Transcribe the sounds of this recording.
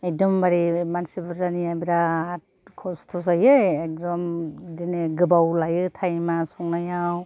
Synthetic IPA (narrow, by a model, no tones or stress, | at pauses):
ek̚dɔmbaɾimansibɯɾzaniabiɾaat̚ | kʰɔstʰɔs̬ajɯek̚dɔmdineɡɯbawlajɯtʰajmasɔŋnajaw